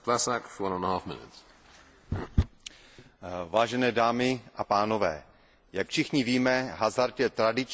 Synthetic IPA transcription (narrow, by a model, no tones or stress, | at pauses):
pʰlasakfəwʌ̃nə̃nəhɑfmɪ̰nɪ̰ts | vaːʒɛnɛːdaːmɪʔapaːno̞vɛ̰ː | jakfʃɪxɲɪviːmɛɦazaɾt̪jɛt̪ɾadɪt͡ʃ